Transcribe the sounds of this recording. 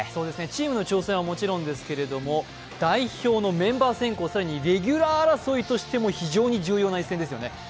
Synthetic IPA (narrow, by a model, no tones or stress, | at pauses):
so̞ːd̪e̞sɨne̞t͡ɕiːmɯ̟no̞t͡ɕo̞ːsẽ̞ɰ̃βamo̞t͡ɕiɾõ̞nd̪e̞sɨ̥ke̞ɾe̞d̪o̞mo̞ | d̪̥aiço̞ːno̞mẽ̞mbaːsẽ̞ŋko̞ːsaɾaɲ̟iɾe̞ɡʲɯɾaːɾaso̞it̪o̞ɕi̥t̪e̞mo̞çiʑo̞ːɲ̟iʑɨːjo̞ːnaisẽ̞nd̪esɨjone̞